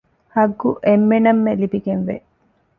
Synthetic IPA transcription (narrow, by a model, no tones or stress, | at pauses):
hɐɡːuʔemːenɐmːelibiɡenʋḛ